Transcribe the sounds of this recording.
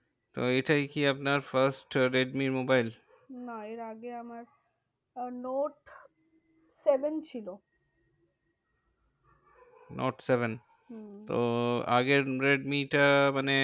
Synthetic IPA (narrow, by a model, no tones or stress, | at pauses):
t̪oeʈajkiapnaɾfaɾsʈɾeɖmiɾmobajl | naeɾaɡeamaɾ | noʈ | sebent͡ɕʰilo | nʔo̰ʈseben | t̪o̰a̰ɡeɾɾeɖmiʈamane